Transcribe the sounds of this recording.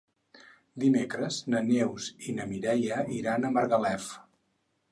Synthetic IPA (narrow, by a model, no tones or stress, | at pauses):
d̪imekɾəznənewzinəmiɾɛjəiɾanəməɾɣəlɛf